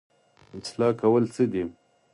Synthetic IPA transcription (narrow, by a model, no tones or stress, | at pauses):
ɪt͡slɑːkawəlt͡səd̪i